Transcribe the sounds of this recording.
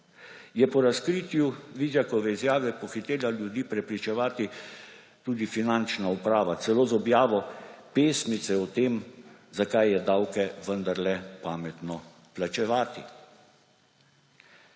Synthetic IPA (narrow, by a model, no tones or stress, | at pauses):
jɛpɔɾaskɾiːt̪juʋiːzjakɔʋɛizjaːʋɛpɔxit̪eːlaljud̪iːpɾɛpɾit͡ʃɛʋaːt̪i | t̪uːd̪ifinant͡ʃnaupɾaːʋat̪sɛloːzɔbjaːʋɔpeːsmit̪sɛɔt̪eːmzakajːɛd̪awkɛʋənd̪aɾlɛpaːmɛt̪nɔ | plat͡ʃɛʋaːt̪i